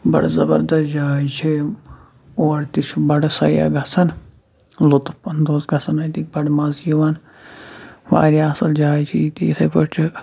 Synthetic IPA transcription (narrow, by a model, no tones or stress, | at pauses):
bɐ̰ɽzɐbɐɾd̪ɐsd͡ʒaːjt͡ʃʰi | oːɾt̪it͡ʃʰbɐɽsɐja̰ɡʱɐsɐn | lut̪pɐnd̪oːsɡʱɐsɐnɐjt̪ik̚bɐɽmɐzjiʋɐn | ʋa̰ːɾiɐsɐld͡ʒaːt͡ʃʰit̪ḭːt̪ʰɐpəʈt͡ʃʰi